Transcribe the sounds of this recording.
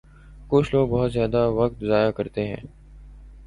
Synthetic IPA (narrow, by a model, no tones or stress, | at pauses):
kʊt͡ʃʰloːɡ̚bɔɦʊt̪zjaːd̪aʋɐk̚t̪zaːjakɐɾt̪eɦɛ̰̃ː